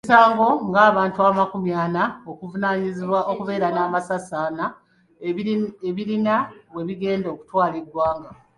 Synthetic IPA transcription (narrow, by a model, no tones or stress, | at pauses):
isaːŋɡo̞ŋɡaːβaːntuaːmakumjaːnao̞kuvunaːɲiziβwaʔokuβe̞ːɾanaːmasasaːna | eβiɾinaβwe̞βiɡe̞ːndo̞ːku̥twaːlidːwaːŋɡa